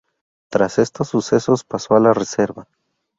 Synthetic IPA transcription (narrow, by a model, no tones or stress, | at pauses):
t̪ɾase̞st̪o̞sːuse̞so̞spaso̞alarese̞ɾβa